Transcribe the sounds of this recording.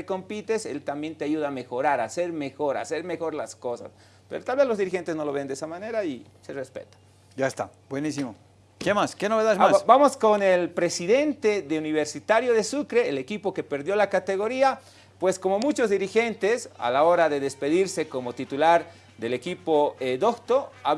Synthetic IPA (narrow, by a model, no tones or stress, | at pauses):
eko̞mpit̪eselt̪ambje̞nt̪eaʝuðaːme̞xo̞ɾaɾase̞ɾme̞xo̞ɾa̰se̞ɾme̞xo̞ɾlasko̞sa̰s | pe̞ɾot̪alβelozðiɾixe̞nt̪eno̞lo̞βend̪esamane̞ɾai | serespḛt̪ḁ | d͡ʒaest̪a | bwenisimo | kemaskenoβeðaðmabamo̞sko̞nelpɾe̞siðe̞nt̪eðeuniβe̞ɾsit̪aɾjo̞ðe̞sukɾeːlekipo̞ke̞pe̞ɾðjo̞lakat̪e̞ɣo̞ɾia | pwe̞sko̞mo̞mut͡ʃo̞zðiɾixe̞nt̪e̞sa̰lao̞ɾaðeðe̞spe̞ðiɾse̞ko̞mo̞t̪it̪ulaɾ | d̪e̞le̞kipoed̪okt̪oa